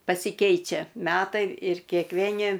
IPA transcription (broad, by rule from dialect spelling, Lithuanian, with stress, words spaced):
pɐsʲɪˈkʲɛɪt͡ʃʲɛ ˈmʲæːtɐɪ ɪr kʲeːkˈʋʲeːnʲɪ